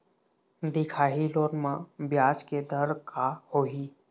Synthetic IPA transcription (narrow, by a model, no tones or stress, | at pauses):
d̪ɪkʰaːɦiloːɾmãbjaːd͡ʒked̪ʱəɾkʰahoːɦiː